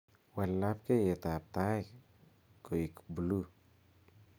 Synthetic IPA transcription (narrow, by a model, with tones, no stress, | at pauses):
wɛ˨lːa˦p̚ke˦je˨t̪a˨p̚t̪a˦ | ko˨i˨kbu˨lu˦